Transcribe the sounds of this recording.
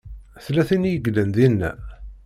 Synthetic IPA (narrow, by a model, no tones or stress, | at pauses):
θlæθinjəɡlənðinːæ̰